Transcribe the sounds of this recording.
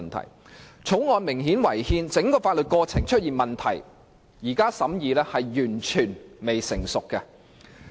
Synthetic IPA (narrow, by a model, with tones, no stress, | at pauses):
nt̪ʰɐ̰˨˩j | t͡sʰo˨˥wŋɔː˨˧nmɪ˨˩ŋɦiː˨˥nwɐ˨˩jhiː˧nt͡sɪ˨˥ŋkɔː˧faː˧t̚lɵ˨t̚kɔː˧t͡sʰɪ˨˩ŋt͡ʃʰɵ˥t̚jiː˨˩nmɐ˨nt̪ʰɐ˨˩j | jiː˨˩kaː˥sɐ˨˥mjiː˨˧lɛː˥hɐ˨jːyː˨˩nt͡ʃʰyː˨˩nme˨jsɪ̰˨˩ŋsʊ˨kːɛ˧